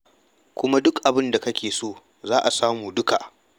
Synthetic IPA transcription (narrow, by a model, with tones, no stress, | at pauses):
kʷʊ˦ma˦dʊ˦kʔa˨bɪ˦nda˨kɐ˦kʲeː˨soː˦˨ | zaː˦ʔa˨saː˦muː˨dʊ˦ka˨ʔ